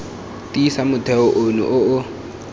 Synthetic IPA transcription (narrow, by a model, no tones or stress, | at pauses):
tʼisamʊtʰɛʊʔʊnṵʔʊʊ